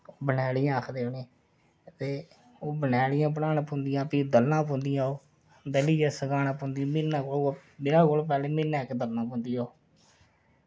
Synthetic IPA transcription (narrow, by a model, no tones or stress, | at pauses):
oːbənɛːɽɪjãːəkʰd̪eːone | t̪eː | oːbənɛːɽɪjãːp̬əɽaːnãːpõːnd̪ɪjãːpiːd̪əlːãːpõːnd̪ɪjãːoː | d̪əliːd͡ʒɛːsəɡaːnãːpõːnd̪ijãːmɪnːãːkolmeːɾaːkolp̬ɛːleːmɪnãːɪkd̪əlːãːpõːnd̪ijaːoː